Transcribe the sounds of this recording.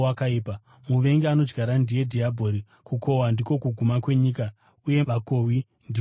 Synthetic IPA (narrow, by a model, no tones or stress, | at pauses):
akaiːpa | muʋe̞ŋɡeano̞d͡ʒɡaɾandije̞dʱiabʱo̞ɾi | kukʰo̞wandiko̞kuɡʱumakwe̞ɲiːka | uje̞ako̞wi | ndi